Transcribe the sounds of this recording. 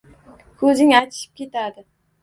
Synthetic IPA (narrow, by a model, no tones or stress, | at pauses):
kʰɵzɪŋajt̪ʰɪ̥ʃɪ̥p̚kʲe̞t̪ʰad̪ɪ